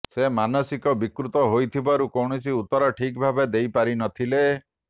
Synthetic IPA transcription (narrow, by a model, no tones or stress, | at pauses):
semanɔsikɔbikɾut̪ɔɦojt̪ʰibaɾukɔwɳisiut̪ːɔɾɔʈʰikbʱabed̪ejpaɾinɔt̪ʰile